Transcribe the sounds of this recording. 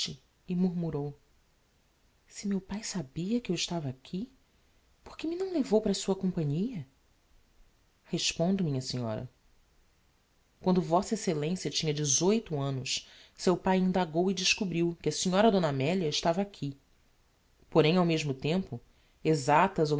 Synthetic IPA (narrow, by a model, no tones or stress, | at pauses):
ɪ | ɪmuɾmuɾow | sɪmewpajsabiɐkɪewɪʃt̪avɐakʰʲi | po̥hkɪmɪnɐ̃w̃levowpɾɐsuɐkõpɐ̃ɲiɐ | heʃpõnd̪ʊmĩɲɐsĩɲɔ̰ɾɐ̰ | kwɐ̃nd̪ʊvɔsɐeselẽsjɐt͡ʃĩɲɐd͡ʒɪzojt̪ʊɐ̃nʊssewpajĩnd̪aɡowɪd͡ʒɪʃkubɾiwkɪɐsiɲɔɾɐd̪õnamɛliɐɪʃt̪avɐakʲʰi | poɾẽj̃awmeʒmʊt̪ẽmpʊ | ezat̪ɐzo